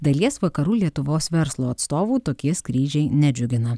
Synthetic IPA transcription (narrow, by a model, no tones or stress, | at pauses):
d̪ɐlʲiɛsʋɐkɐɾuːlʲiɛt̪ʊʋoːsʋʲɛɾslˠoːɐt̪st̪oːʋuːt̪oːkʲiɛskɾʲiːʒʲɛɪnʲɛd͡ʒʲʊɡʲɪnɐ